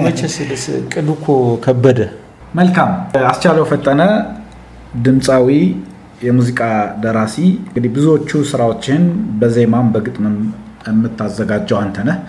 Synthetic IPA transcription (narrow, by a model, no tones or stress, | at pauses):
mət͡ʃɛsɨləskʼɨd̪ukʰokʰəbːəd̪ə | məlkʰamast͡ʃaləwfət̪ʼːənə | d̪ɨmsʼawi | jɛmuzikʼad̪əɾasiŋɡɨd̪ibɨzuwot͡ʃːusɨɾawo̞t͡ʃːɪnbəze̞mambəɡɨt̪ʼmə | ɛmːɨt̪ʰːazːəɡad͡ʒːəwant̪ʰənəh